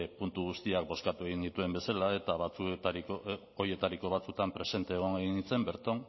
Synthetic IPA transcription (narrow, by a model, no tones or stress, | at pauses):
punt̪uɣust̪iak̚bo̞skat̪ue̞ɣind̪it̪ue̞mbe̞salae̞t̪aβat͡sut̪aɾiko | oɾje̞t̪aɾiko̞β̞at͡sut̪ampɾe̞se̞nt̪e̞ːɣ̞oŋeɣinit͡se̞mbe̞ɾt̪on